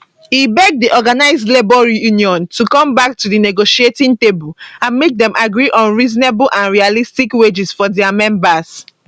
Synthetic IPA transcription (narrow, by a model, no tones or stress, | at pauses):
hibɛɡ̚diʔɔɡanaɪzdlebɔɹijuniɔ̃ntukɔ̃mbak̚tudineɡoʃietĩntebulãnmek̚dɛ̃mʔaɡɹiʔɔ̃nɹizɔnebulʔãnɹialistikwed͡ʒisfɔdɛamɛ̃mbas